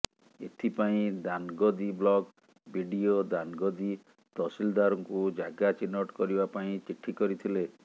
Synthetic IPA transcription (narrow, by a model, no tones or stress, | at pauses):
et̪ʰipaĩd̪anɡɔd̪iblɔɡ | bʱiɖiod̪anɡɔd̪i | t̪ɔsild̪aɾɔŋkud͡ʒaɡat͡ʃinːɔʈkɔɾibapaĩt͡ʃiʈʰːikɔɾit̪ʰile